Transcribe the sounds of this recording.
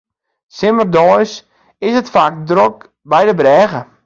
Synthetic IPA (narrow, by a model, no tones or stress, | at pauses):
sɪmərdɔjs | ɪsətfak̚drok | bɛjdəbrɛːɣə